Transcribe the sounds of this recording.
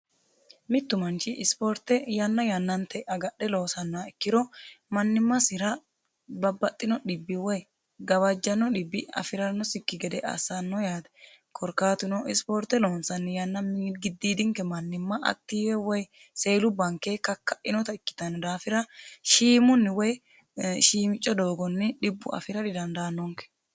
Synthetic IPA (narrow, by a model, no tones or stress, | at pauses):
mɪt̪ːʊmɐnt͡ʃɪʔspoːɾt̪ːɛjɐnːɐjɐnːɐnt̪ːɛʔɐɡɐɗɛlo̞ːsɐnːɔɐɪkːɪd̪ɔmɐnːɪmːɐsɪɾɐ | bɐbːɐt̪ʼːɪnɔɗɪbːɪwɔj | ɡɐβɐd͡ʒːɐnːɔᶑɪbːɪɐ̰fɪɾɐnːɔsɪkːɪɡɛd̪ɛʔɐ̰sanːɔjaːd̪ɛ | kʰɔɾkaːt̪ʊnɔɪspoːɾt̪ɛloːnsɐnːɪjɐnːɐmːɪɡɪd̪ːiːd̪ɪŋkɛmɐnːɪmːɐʔɐ̰t̪ːiːwɛwɔj | se̞ːlʊbɐŋkeːkɐkːɐʔɪnɔt̪ɐɪkːɪ̥t̪ɐnɔd̪aːfɪɾɐʃiːmʊnːɪwɔj | ʃiːmɪt͡ʃʼːɔd̪o̞ːɡɔnːɪᶑɪbːʊ̰ʔɐ̰fɪɾɐd̪ɪd̪ɐnd̪ɐːnːɔŋkɛ̥